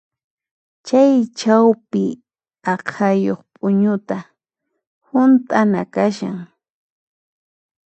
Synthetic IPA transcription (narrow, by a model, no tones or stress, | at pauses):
t͡ʃajt͡ʃawpɪ | ɑqʰajoχpʼʊɲʊt̪a | hʊnt̪ʼanakaʃa̰ŋ